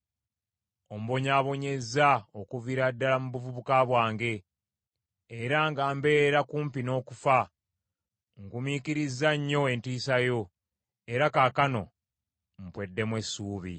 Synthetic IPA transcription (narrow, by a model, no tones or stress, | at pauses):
o̞m̩uβo̞ɲaːβo̞ɲe̞zaokuviɾadːalamuβuvuβukaβwaːŋɡe̞ | ɾaŋɡaːmbe̞ːɾakuːmpino̞ːkufa | ŋɡumikiɾizːaɲːo̞e̞ntiːsajo̞ | e̞ɾakaːkano̞ | m̩pwe̞dːe̞mwesuːβḭ